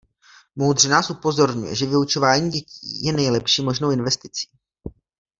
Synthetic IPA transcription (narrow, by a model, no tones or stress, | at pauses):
mowd̪r̝ɛnaːsʔupo̞zo̞ɾɲṵjɛ̰ʒɛvɪut͡ʃo̞vaːɲiːɟɛcḭːjɛnɛjlɛpʃiːmo̞ʒnowɪnvɛst̪ɪt͡si̥ː